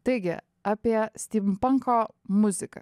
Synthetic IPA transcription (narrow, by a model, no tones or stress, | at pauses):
t̪ɐɪɡʲɪ̰ | aːpʲiɛsʲt̪ʲiːmpɐŋkoː | mʊzʲɪkɐ̰